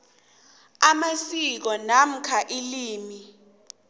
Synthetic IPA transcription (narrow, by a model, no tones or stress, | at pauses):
amasik̬ɔnam̩kʰaʔiliːmi